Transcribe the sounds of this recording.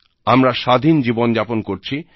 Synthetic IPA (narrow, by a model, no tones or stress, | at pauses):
amɾaʃad̪ʱind͡ʑibond͡ʑaponkoɾt͡ɕʰi